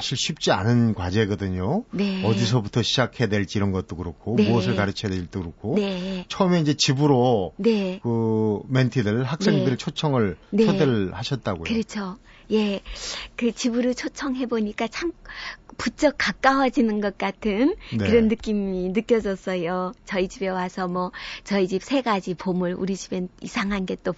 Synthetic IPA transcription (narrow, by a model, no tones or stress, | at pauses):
saɕʰiɭɕʰip̚t͡ɕ͈ia̰nɯnkwad͡ʑe̞ɡʌdɯɲone̞ʌdis̬ʰʌbutʰʌɕʰid͡ʑakʰedwe̞ɭt͡ɕ͈iɾʌnɡʌt̚t͈okɯɾokʰonmmuʌssʰɯɭkaɾɯt͡ɕʰʌjadweɭt͈okɯɾokʰonet͡ɕʰʌɯme̞ind͡ʑe̞t͡ɕibɯɾone̞kɯmentʰidɯɭhak̚s͈eŋdɯɾit͡ɕʰot͡ɕʰʌŋɯɭneʌdeɭhaɕʰʌt̚t͈aɡo̰jkɯɾit͡ɕʰo | je̞kɯt͡ɕibɯɾɯɭt͡ɕʰot͡ɕʰʌŋɦe̞boɲik͈at͡ɕʰamput͡ɕ͈ʌk͈̚ːak͈awʌd͡ʑinɯnɡʌt̚k͈atʰɯnkɯɾʌnːɯk͈iminɯk͈jʌd͡ʑʌs͈ʌjot͡ɕʌid͡ʑibe̞wasʰʌmwʌt͡ɕʌid͡ʑip̚sʰe̞ɡad͡ʑipomɯɭṵɾid͡ʑibenisʰaŋɦanɡe̞t͈o